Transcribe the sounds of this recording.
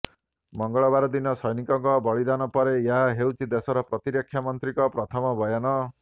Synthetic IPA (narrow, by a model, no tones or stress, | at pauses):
mɔŋɡɔɭɔbaɾɔd̪inɔsɔjnikɔŋkɔbɔɭid̪anɔpɔɾejaɦaɦewt͡ʃʰid̪esɔɾɔpɾɔt̪iɾekʰːjamɔnt̪ɾikɔpɾɔt̪ʰɔmɔbɔjanɔ